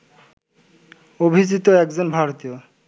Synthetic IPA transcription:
obʱid͡ʑit̪oɛkd͡ʑonbʱaɾot̪ijo

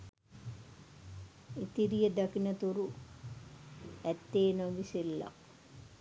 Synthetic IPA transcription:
it̪iɾijəd̪akinət̪uɾu | æt̪ːeːnoɡiselːa̰

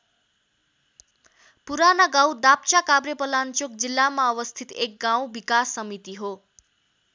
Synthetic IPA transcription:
puɾanaɡawd̪ap̚t͡ʃakabɾjepʌlant͡sjok̚d͡zilːamaʌwʌst̪ʰit̪ek̚ɡaw̃bikasːʌmit̪iɦo

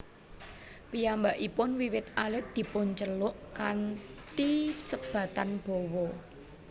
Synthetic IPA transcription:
pijambaʔipʊnwiwɪt̪̚ʔalɪt̪̚d̪̥i̤pʊnt͡ʃəlʊʔkant̪isəb̥ä̤t̪anb̥o̤wɔ

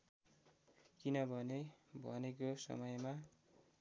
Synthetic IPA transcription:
kinʌbʱʌnebʱʌ̰nekosʌ̰mʌjma

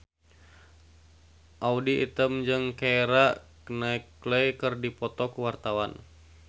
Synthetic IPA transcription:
ʔaudiʔḭt̪əmd͡ʒɨŋkaeɾaknaiklejkɨrdipɔt̪ɔkuwart̪awan

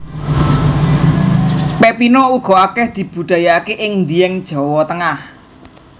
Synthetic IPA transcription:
pepinɔuɡ̥ɔ̤akɛhd̪̥i̤b̥ṳd̪̥a̤jakeʔɪŋnd̪iɛŋd̥ʒ̥ɔ̤wɔt̪əŋah

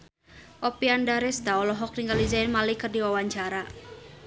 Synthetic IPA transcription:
ʔopiandaɾɛst̪aɔlɔɦɔk̚niŋɡalizaɪnmalikɨrdiwawaɲt͡ʃaɾa

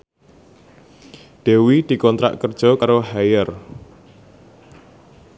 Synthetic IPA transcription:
d̪̥ewid̪̥i̤kɔnt̪ɾa̰ʔkərd̥ʒ̥ɔ̤kaɾoɦajər

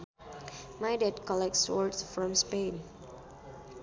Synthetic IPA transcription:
majdɛd̚kɔlɛk̚tsɔ̰ɹtsfɹɔ̃mspẽn

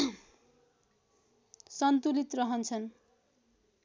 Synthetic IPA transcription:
sʌnt̪ulit̪rʌɦʌnt͡sʰʌn

